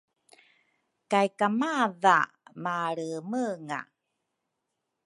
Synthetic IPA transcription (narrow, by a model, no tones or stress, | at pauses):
kajkamaða̰ | maɭəməŋa̰